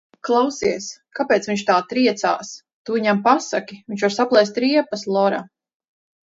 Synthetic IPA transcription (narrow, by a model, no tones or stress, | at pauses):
klˠawsiɛskapʲɛːt̪sviɲt͡ʃt̪aːt̪ɾiɛt̪sa̰ːs | t̪uːiɲampasakʲiviɲt͡ʃvaɾsaplˠɛjst̪ɾiɛpaslˠɔɾa̰